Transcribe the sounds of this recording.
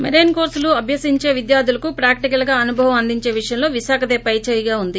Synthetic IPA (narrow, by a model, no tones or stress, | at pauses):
meɾeːnkoːɾsluɐbʱjɐsiɲt͡ʃe̞ːʋid̪jaːɾd̪ulɐkupɾaːkʈikɐlɡaːɐnubʱɐʋɐmɐnd̪iɲt͡ʃe̞ːʋiʂɐjɐmlo̞ːʋiʃaːkʰɐd̪eːpɐjt͡ʃeːjɐɡaːund̪i